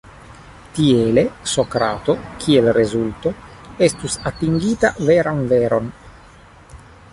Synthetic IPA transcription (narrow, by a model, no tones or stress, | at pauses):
t̪iele̞sokɾat̪o̞kʰielrezult̪oest̪usat̪iŋɡiːt̪aveɾanveɾo̞n